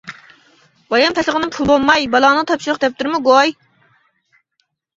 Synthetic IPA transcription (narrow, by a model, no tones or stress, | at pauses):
bɑjɑmpʰɛsəʁənɪmpʰulˠbolˠmɑjbɑlˠɑːnɨŋt̪ʰɑpʃiɾəqd̪ɛp̚t̪ɨɾmuɡoj